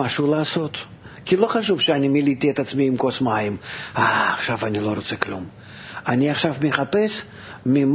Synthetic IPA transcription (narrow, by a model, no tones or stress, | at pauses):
aʃuːlaːso̞t̪ | kʲilˠo̞χaʃufʃɛanʲimʲilʲit̪ʲiet̪at̪smʲiimkosmajimaːχʃafanʲilˠoɾot̪sɛklṵm | anʲiaχʃafmʲɪχapɛs | mʲɪm